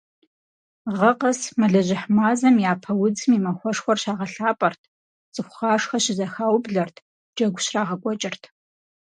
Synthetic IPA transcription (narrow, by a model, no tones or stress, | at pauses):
ʁɐqɐsmɐɮɐʑɪħmaːzɐmjaːpʰɐwʊd͡zɨmiːmɐxʷɔʂxʷɔrɕaːʁɐɬaːpʼɐrtʰ | t͡sʼɨxʷʊχaːʂxɐɕɪzɐxaːwbɮɐrtʰ | d͡ʒɐɡʷʊɕraːʁɐɡʷʼɔt͡ʃʼɪrtʰ